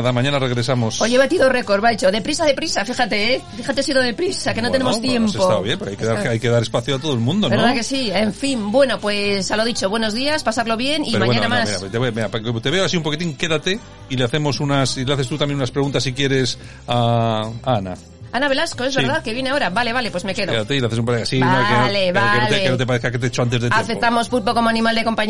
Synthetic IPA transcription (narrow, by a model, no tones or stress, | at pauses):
aðamãɲãnareɣɾe̞samosojʝeβat̪iðoreko̞ɾβait͡ʃoðe̞pɾisaðepɾisafixat̪e̞fixat̪esiðoðe̞pɾisakeno̞t̪enemot̪je̞mmpsesot̪aβjempoɾoajkeðaɾajkeðaɾespaθjoat̪oelmũnd̪onbeɾðakesieɱfimbwe̞no̞pwe̞saloaðit͡ʃo̞βwe̞no̞zðiaspasaɾlo̞βje̞niɾmaɲwanamasɾat̪eβemeɾat̪eβeoasiumpokit̪iŋke̞ðat̪e̞ | ileaθe̞mo̞sunasileaθest̪ut̪amje̞nunaspɾe̞ɣunt̪asːikje̞ɾe̞s | aː | ana̰ | anaβe̞lasko̞ezβeɾðaðke̞βje̞neao̞ɾaβale̞βale̞pwe̞zme̞ke̞ðokeðat̪eileaθes̬umpaɾeɣasinokeoleβaɾokeolt̪eeot̪̬epaɾeθkaket̪eet͡ʃoant̪̬ezðetaamfekt̪amospupoko̞moanĩmald̪e̞ko̞mpaɲ